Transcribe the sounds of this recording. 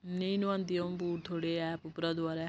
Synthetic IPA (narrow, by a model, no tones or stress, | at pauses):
neiːnʊ̃ãːnd̪ijõbuːɾt̪ʰoːɽeːɛːpʊpɾaːd̪waːɾɛː